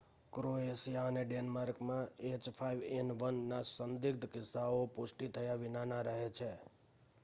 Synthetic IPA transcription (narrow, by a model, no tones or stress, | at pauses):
kɾoesijaəneɖenmaɾkmãet͡ʃpʰajʋenʋənːasənd̪ɪk̚d̪kɪsːaopʊʃʈit̪ʰəjaʋɪnanaɾəɦet͡ʃʰe